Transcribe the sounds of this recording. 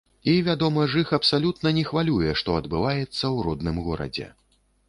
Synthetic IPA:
ivʲad̪ɔmɐʐɨxɐpsalʲut̪nɐnʲɛxvalʲujɛʂt̪ɔɐd̪bɨvajɛt̪sːɐwɾɔd̪nɨmɣɔɾɐ̰d͡zʲɛ̰

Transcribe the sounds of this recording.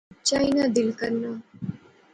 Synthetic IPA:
t͡ʃaːinad̪ɪlkəɾnaː

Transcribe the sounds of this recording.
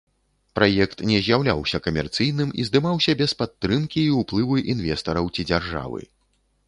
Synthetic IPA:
pɾʔajɛkt̪nʲɛzʲjawlʲa̰wsʲɐkɐmʲɛrt̪sɨjn̪ɨmizd̪ɨmawsʲɐbʲɛspat̪ːɾɨmkʲiːuplˠɨvɨʔinvʲɛst̪ɐɾɐwt͡sʲid͡zʲarʐa̰vɨ̰

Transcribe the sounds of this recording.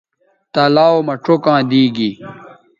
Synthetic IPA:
t̪alaːomɐʈ͡ʂʰokãːd̪iːɡi

